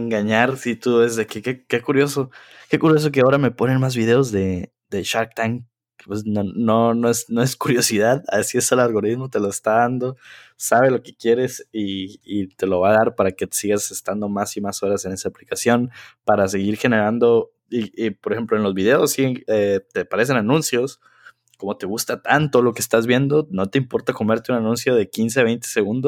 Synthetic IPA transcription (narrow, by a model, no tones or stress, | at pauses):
eŋɡaɲaɾsit̪uezðekikekekuɾjo̞so̞ | ke̞kuɾjo̞s̬o̞k̬e̞ao̞ɾame̞po̞ne̞nmazβiðe̞o̞zðe̞ | d̪e̞ʃaɾkt̪aŋ | pwesnononoesnoe̞skuɾjo̞siðaðasiesalalɣo̞ɾiðmo̞t̪e̞lo̞est̪aðand̪o̞saβe̞lo̞ke̞̥kje̞ɾe̞siːt̪e̞lo̞βaðaɾpaɾake̞siɣasest̪and̪o̞masimaso̞ɾase̞ne̞saːplikasjo̞npaɾase̞ɣiɾxe̞ne̞ɾand̪o̞ | ipoɾexe̞mploenlo̞zβiðe̞o̞sːiɣenet̪epaɾe̞s̬e̞nanũnsjo̞s | ko̞mo̞t̪e̞ɣ̞ust̪at̪ant̪olo̞keːst̪azβje̞nd̪o̞no̞t̪e̞impo̞ɾt̪ako̞me̞ɾt̪eunanũnsjo̞ðe̞kins̬e̞aβ̞e̞jnt̪e̥seɣund̪os